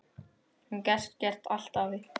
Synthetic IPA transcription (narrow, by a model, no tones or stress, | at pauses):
huncɛst̪cɛr̥t̪al̥t̪avɪ